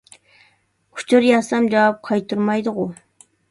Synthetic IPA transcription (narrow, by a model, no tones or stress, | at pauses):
kʲʰʊ̥t͡ʃʰuɾjɑsɑmd͡ʒɑwɑp̚qʰɑjt̪uɾmɑjd̪ʊʁʊ